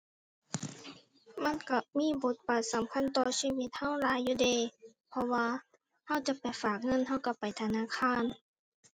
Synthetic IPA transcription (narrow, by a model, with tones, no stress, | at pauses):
ma˧˥˨nka˧˩miː˧˥˨bo˨˦t̪̚paː˨˩t̪̚sa˨˦mkʰa˧˥˨nt̪ɔː˧siː˧˨wi˧˦t̪̚ha˧˥˨wlaː˨˦jːuː˧˩deː˧˩pʰɔ˧waː˧ | ha˧˥˨wt͡ɕa˧˦pa˨˩jfaː˨˩k̚ŋɤ˧˥˨nha˧˥˨wka˧˩pa˨˩jt̪ʰa˧naː˧˥˨kʰaː˧˥˨n